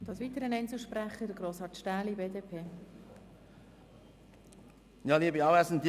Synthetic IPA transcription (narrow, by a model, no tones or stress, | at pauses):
d̪̥ɑsʋit̪əɾənɛnt͡sl̩ˠʃpɾæχədəɡɾoːshɑtʃtæːlibeːdeːpʰeː | jɑːliːəbiɑwæsntː